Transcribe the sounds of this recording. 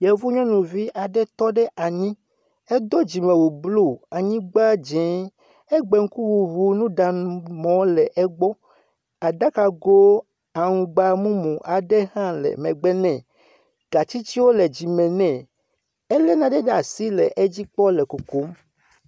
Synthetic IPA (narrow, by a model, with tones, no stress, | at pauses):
jɛ˨vu˦ɲɔ̃˦nũ˨vi˦ʔa˨ɖɛ˦t̪ɔ˦ɖɛ˦ʔa˨ɲĩ˦ | e˦d̪o˦d͡ʑi˨mɛ̃˨wu˨blo˦˨a˨ɲĩ˦ɡ͡ba˦d͡ʒɛ̃˨˦ | e˦ɡ͡bɛ˨ŋ̩˦ku˦vu˨vu˨nũ˦ɖa˨mɔ̃˨˦lɛ˨ʔɛ˦ɡ͡bɔ˦ | a˨da˦ka˨ɡo˦ | a˨ŋũ˨ɡ͡ba˨mũ˦mũ˨ʔa˨ɖɛ˦ɦã˦lɛ̰˨mɛ̃˨ɡ͡bɛ˦nɛ̃˦˨ | ɡ̥a˨t͡ɕi˦t͡ɕi˦wo˦lɛ˨d͡ʑi˨mɛ̃˨nɛ̃˨ | ɛ˦lɛ˦nã˨ɖe˦ɖa˨si˦lɛ˨ʔe˦d͡ʑi˦k͡pɔ˦lɛ˨ko˨ko˨˦m